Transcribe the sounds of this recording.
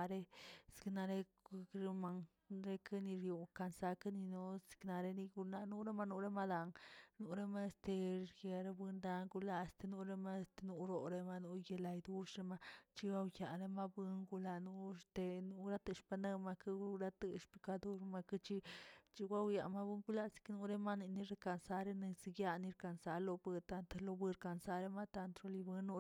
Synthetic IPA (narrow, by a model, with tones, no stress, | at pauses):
ɾe˦skna˧ɾe˦˧ | kɾe˧ma˧ŋ | ɾe˦kʰa˦ni˧ɾju˨ka˧nsa˧ka˦ni˧nu˦skna˧ɾe˦˧ni˧ɡu˧na˧nu˦ɾe˦ma˧nu˧ɾe˦ma˦d̪a˨ŋnu˧ɾe˦˧ma˦˧st̪e˧ɾje˧ɾe˧bɨ˧nd̪a˧ŋɡu˧la˦˧˨st̪e˧nu˧ɾe˧ma˦st̪e˧nu˧ɾo˨ɾe˧ma˧nu˧je˧la˧jd̪u˦ʂɾe˧ma˧t͡ʃi˧wa˧wja˨ɾe˧ma˦bɨ˧ŋɡu˧la˧nu˧st̪e˧nu˧ɾa˦t̪ɨ˧ʃpa˧ne˦˧ma˧ki˧ɾa˧t̪ɨ˧ʃpi˧ka˧d̪u˦ɾma˧ki˧˦t͡ʃi˧t͡ʃi˧ɡʷa˦wja˨ma˧bɨ˦ŋɡu˧la˦si̥˧knu˧ɾe˧ma˦˧ni˧ni˧ɾe˧ka˧nsa˧ɾe˧ni˧si˧ɡja˧ni˧ɾka˧nsa˧lo˧bɨ˧t̪a˧nt̪lo˧bɨ˧ɾka˧nsa˧ɾe˧ma˦˧t̪a˧nt̪ɾo˧li˧bɨ˧nu˧